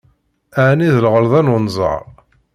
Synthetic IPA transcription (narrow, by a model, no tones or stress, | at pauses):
aʕniðəlʁəlðˤænʊnzˤɑ̰ʁˤ